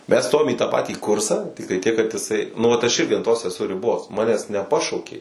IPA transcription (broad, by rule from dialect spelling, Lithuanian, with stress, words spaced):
mʲɛs ˈstoːjoːm iː tɑː ˈpɑːtʲiː ˈkʊrsɐ ˈtʲɪktɐɪ tʲiɛk kɐt ɪˈsɐɪ ˈnʊ ʋɐt ɐʃ ˈɪrʲɡʲɪ ɐn ˈtoːs ɛˈsʊ rʲɪˈboːs ˈmɑːnʲæːs nʲɛˈpɑːʃɐʊkʲeː